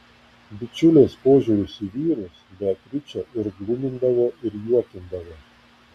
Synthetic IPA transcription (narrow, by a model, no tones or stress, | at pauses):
bʲɪt͡ʃʲʊlʲeːspoːʒʲʊɾʲʊsʲiʋʲiːɾʊsbʲɛt̪ʲɾʲɪt͡ʃʲɛʔɪɾɡlˠʊmʲɪnd̪ɐʋoːʔɪɾjuɔk̪ʲɪnd̪ɐʋoː